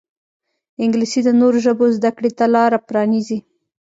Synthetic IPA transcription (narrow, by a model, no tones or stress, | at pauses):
ɪŋɡlisid̪ənoɾoʒəbozd̪akɽet̪alɑɾapɾɑnizi